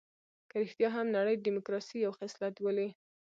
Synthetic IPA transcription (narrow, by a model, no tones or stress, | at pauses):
kəɾɪxt̪jɑɦamnaɽəjd̪imʊkɾɑsijawxaslat̪wəli